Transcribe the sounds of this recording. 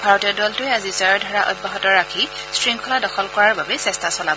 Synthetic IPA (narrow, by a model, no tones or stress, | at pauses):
bʱaɹɔtɔdɔltʊjazisaɹɔdʱɔɹaʔɔ̰d̚bɔɦɔtɔɹːakʰi | stɹiŋkʰɔladɔxʰɔlkɔɹaɹbabɛsɛstasɔlab